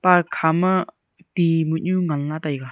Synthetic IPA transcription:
paɾkʰamɐ | timut̚ɲuŋanlatajɡa

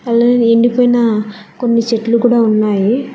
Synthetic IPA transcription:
ɐlːaːieɳɖipojnɐkonːit͡ʃeʈlukuːɽaːunːaːji

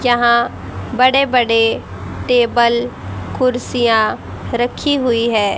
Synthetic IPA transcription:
jɐɦã | bɐɽebəɽe | ʈeːbəlkʊɾsijã | ɾəkʰiɦʊiɦɛː

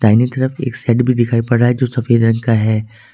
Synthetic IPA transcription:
d̪̥aːɪnit̪ɐɾəfḛːksɛːʈbʱid̪ɪkʰaːipɐɽaɦɛd͡ʒoːsɐfeːd̪ɾɐ̃ŋkaɦɛː

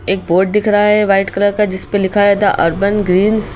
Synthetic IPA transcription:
eːk̚boːɖɖ̪ɪkʰɾaɦaɦɛʋaːɪʈkləɾkad͡ʒɪspelɪkʰaɦɛt̪ʰa̰ʔɐɾbənɡɾiːns

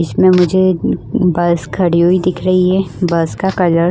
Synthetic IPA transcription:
ɪsmẽmʊd͡ʒʱebɐskʰɐɽiɦoid̪ɪkʰɾɐɦiɦɛbɐskakɐləɾ

